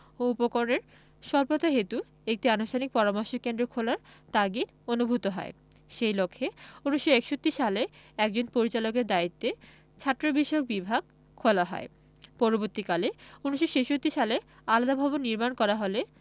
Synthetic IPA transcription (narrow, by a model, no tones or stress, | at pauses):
oupokoɾoneɾ | ʃɔɾpot̪aɦet̪u | ek̚ʈianuʃtʰanik̚pɔɾamɔɾʃokend̪ɾokʰolaɾt̪aɡin | onubʱut̪oɦɔ̰e | ʃejlokʰːeuniʃːoɛkʃot̪ːiʃaleɛk̚d͡ʑonpoɾit͡ɕalok̬eɾd̪ait̪ːe | t͡ɕʰat̪ːɾobiʃok̚bibʱaɡ̚ | kʰːolaɦɔ̰e | pɔɾoboɾt̪ikaleuniʃːoʃeʃot̪ːiʃale | alad̪abʱabonːiɾmankɔɾaɦole